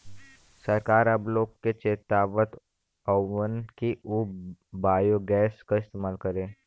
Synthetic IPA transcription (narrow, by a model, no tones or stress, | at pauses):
səɾkaːɾɐbloːkːet͡ʃeːt̪aːʋət̪ | ɔʋənkiʔubaːjoɡɛːskaɪst̪eːmaːlkəɾẽː